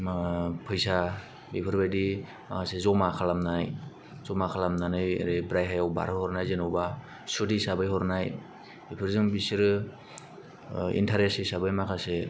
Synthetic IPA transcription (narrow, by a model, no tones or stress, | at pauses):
mpʰɯjsa | bipʰɯɾbajdi | ma̰kʰasezɔmakʰalamnaj | zɔmakʰalamnanɯj̰ɾibɾajɦajawba̰ɾɯhɔɾnajzenɔwba | sudisabɯjhɔɾnaj | bipʰɯɾzɯŋbisiɾ | ḭntʰaɾesisabɯjmakʰase